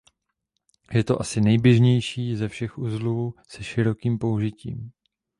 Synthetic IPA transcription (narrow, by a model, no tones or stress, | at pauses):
jɛt̪o̞ʔasɪnɛjbjɛʒɲɛjʃiːzɛfʃɛxʔuːzluusɛʃɪɾo̞kiːmpo̞uʒɪcḭːm